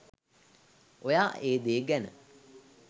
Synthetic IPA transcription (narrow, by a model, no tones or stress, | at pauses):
ojaːʔeːd̪eːɡænə̰